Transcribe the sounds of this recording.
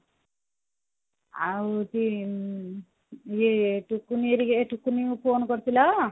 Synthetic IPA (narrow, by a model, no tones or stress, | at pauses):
a̰t̪i | jeʈukːunieɾieʈukːuniũpʰoːnkʌɾt͡sʰilʌ